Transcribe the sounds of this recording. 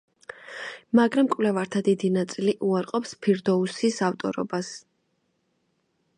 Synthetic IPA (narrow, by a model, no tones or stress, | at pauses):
maɡɾamkʼwvlɛvaɾt̪ʰad̪id̪inat̪sʼiliʔuaɾqʼɔpspʰiɾd̪ɔusisaft̪ʼɔ̰ɾɔ̰bas